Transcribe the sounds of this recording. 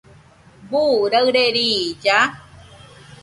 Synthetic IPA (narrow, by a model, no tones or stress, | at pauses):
buɾəɨɾeɾid͡ʒa